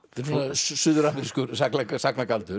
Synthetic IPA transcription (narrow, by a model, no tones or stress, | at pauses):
θɛ̥snassʏðʏɾanɾiskʏɾsaknasaknakalt̪ʏɾ